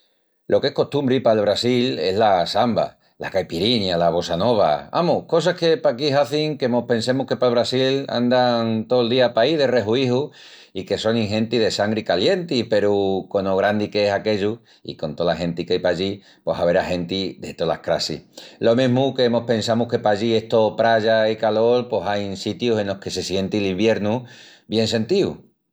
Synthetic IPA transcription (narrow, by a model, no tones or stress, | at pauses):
lʔo̞kehko̞ht̪umbɾipaelβɾasile̞ɦlasamba̰ | lʔa̰kajpiɾiɲjalaβo̞sano̞β̞a̰a̰muko̞s̬ake̞pakiɦaθiŋkemo̞hpẽ̞nse̞muhke̞palβ̞ɾasila̰nd̪aŋt̪oold̪iapaiðe̞re̞ɦuiɦu | ike̞so̞ŋĩŋɦẽ̞nt̪iðe̞saŋɡɾikalje̞nt̪ipe̞ɾuko̞noɣ̞ɾand̪ikeesake̞ʎu | ḭko̞nt̪o̞laɦe̞nt̪ikajpaʎi | po̞ɦaβe̞ɾahe̞nt̪id̪e̞t̪o̞la̰hkɾa̰sḭlo̞mẽɦmuke̞emo̞hpẽ̞nsamuhke̞paʝie̞ht̪opɾaʝaikalo̞lposajnsit̪juse̞nlo̞hke̞se̞sje̞nt̪ilimbje̞ɾnu | bje̞nse̞nt̪iṵ